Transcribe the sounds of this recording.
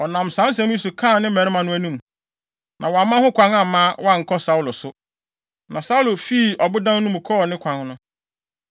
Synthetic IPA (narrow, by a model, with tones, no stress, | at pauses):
ɔ˨nã˨msã˦s̬ɛ̃˨˦m˦i˦sʊ˨kʰã˦˨nɪ̃˦mɛ˨ɾmã˨nʊ̃˦æ˦˨nũ˦m | nʔã˨wɔ˨a˨mã˦hʊ̃˦kʰʷã˨˦ŋa˨mãː˦wɔ˦a˦˨ŋ̩˨kʰɔ˦sa˨˦u˦lʊ˨sʊ˦ | nã̰˨sa˦u˦lʊ˨fi˦˨ɔ˨bʊ˦dã˦n˦nʊ̃˦mʊ̃˨kʰɔ˦˨nɪ̃˦kʷʰã˨ŋnʊ̃˦